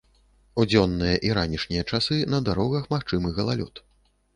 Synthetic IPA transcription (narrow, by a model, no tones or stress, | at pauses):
ud͡zʲɔnːɨjɐʔiɾanʲiʂnʲijɐt͡ʂasɨnɐd̪aɾɔɣɐxmaxt͡ʂɨmɨɣɐlˠa̰lʲɔ̰t̪